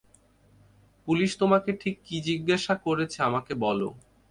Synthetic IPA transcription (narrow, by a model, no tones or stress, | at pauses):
puliʃt̪omakeʈʰikːid͡ʑiɡːaʃakoɾet͡ɕʰeamakebɔlo̰